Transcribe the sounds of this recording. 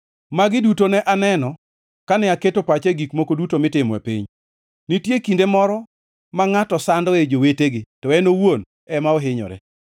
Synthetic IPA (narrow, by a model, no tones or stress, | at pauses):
maɡɪdutonɛʔanɛnɔ | kanɛaketopat͡ʃeɡikmokodutomɪtɪmɛ̰pḭɲ | nitjekindemɔɾɔ | maŋatɔsandɔed͡ʒoweteɡɪtɔɛnowon | ɛmaoɦɪɲɔ̰ɾɛ̰